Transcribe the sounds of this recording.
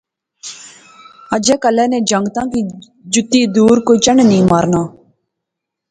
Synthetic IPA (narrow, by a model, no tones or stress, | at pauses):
əd͡ʒeːkəlɛːnẽːd͡ʒəŋɡt̪ãːkiː | d͡ʒʊt̪iːd̪uːɾkoːt͡ʃəɳnĩːmaːɾnaː